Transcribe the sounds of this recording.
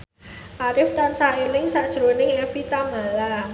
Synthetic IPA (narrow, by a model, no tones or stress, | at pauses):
ʔaɾɪft̪ansaelɪŋsaʔd̥ʒ̥ɾonɪŋɛfit̪amala